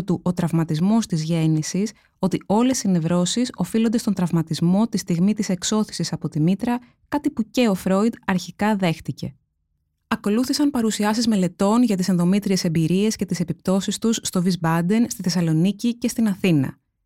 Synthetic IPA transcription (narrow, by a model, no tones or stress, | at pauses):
t̪uʔo̞t̪ɾɐvmɐt̪izmo̞st̪izʝe̞nisis | o̞t̪io̞le̞sinevɾo̞siso̞filo̞nd̪e̞st̪o̞nd̪ɾɐvmɐt̪izmo̞t̪ist̪iɣmit̪ise̞kso̞θi̥sisɐpo̞t̪imit̪ɾɐ | kɐt̪ipuce̞o̞fɾo̞id̪ɐɾçikɐðe̞xt̪ice̞̰ | ɐko̞luθisɐnpɐɾusiɐsizme̞le̞t̪o̞nʝɐt̪isenðo̞mit̪ɾie̞se̞mbiɾie̞sce̞t̪ise̞pipt̪o̞sist̪usːt̪o̞vizbɐd̪e̞nst̪iθe̞sɐlo̞nicice̞st̪inɐθinɐ̰